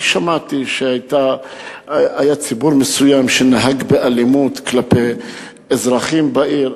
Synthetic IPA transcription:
ʃamat̪iʃeajt̪a | ajat͡sibuʁmesujamʃenaɦaɡbeʔalimut̪klape | ezʁaχimbaʔiʁ

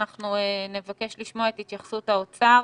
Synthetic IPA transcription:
aχnuene̞vake̞ʃliʃmoaethit̪jaχsuthaot͡sa

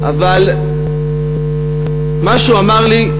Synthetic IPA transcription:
ʔaval | maʃuamaʁli

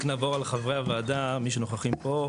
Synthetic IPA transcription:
knavoʁalχavʁeavaːd̪amiʃ̬unoχaχimpo

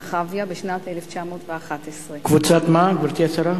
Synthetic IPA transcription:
χavjabeʃnat̪eleft͡ʃamo̞ːtveaχat̪esʁekvut͡sat̪maɡvaɾt̪iat͡saɾa

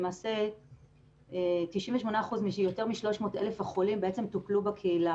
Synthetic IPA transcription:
emaːse̞ | etiʃĩmveʃmo̞naːχuzmiʃjo̞te̞ʁmiʃlo̞ʃmo̞ːtʔelefaχolimbeet͡semtuklubakʰeila

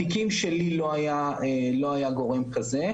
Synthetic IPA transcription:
ikimʃelilo̞ajaelo̞ajaɡo̞ʁe̞mkaze̞

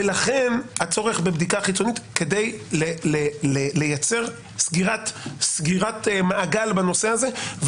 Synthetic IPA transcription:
elaχe̞nhat͡so̞ʁe̞χbebd̪ikaχit͡so̞nit̪ke̞dejlelelele̞jat͡se̞ʁ | sɡiʁatsɡiʁat̪maːɡalbano̞seaze̞v

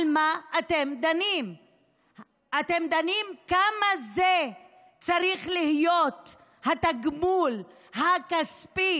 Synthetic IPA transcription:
lmaːtemd̪anim | at̪e̞md̪animkamaze | t͡saʁiχlihijo̞t̪ | hat̪aɡmul | hakaspi

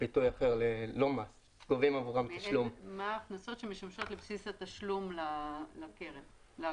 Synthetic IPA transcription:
b̥itujaχeʁleloma | ɡovimavuʁamt̪aʃlummaχnaso̞t̪ʃemiʃamʃo̞t̪lepsisat̪aʃlumlalakeʁev | la

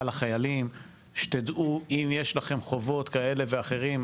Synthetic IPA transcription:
laχajalim | ʃe̥t̪ed̪ʔuimjeʃlaχe̞mχo̞vo̞t̪kae̞le̞veaχe̞ʁim

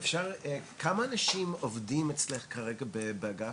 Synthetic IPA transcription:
fʃaʁkʰamaːnaʃimovdimet͡sleχkaʁeɡabebeaɡa

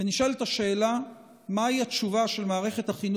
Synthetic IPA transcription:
eniʃaltaʃe̞ːla | maiat̪t͡ʃuvaʃe̞lmaːʁe̞χe̞t̪haχin

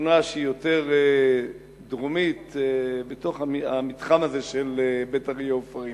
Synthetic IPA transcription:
unaʃeijo̞te̞ʁe | dʁomit̪ebeto̞χaamit̪χamazeʃelebetaʁjofaʁi

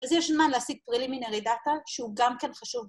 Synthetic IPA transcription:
azjɛʃmanleasiɡ̚pʁilimineʁedat̪aʃeuɡamkenχaʃuv

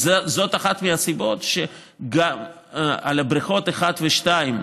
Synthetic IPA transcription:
zezo̞t̪aχat̪measibo̞tʃe | ɡam | alabɾiχo̞t̪eχat̪veʃtaim

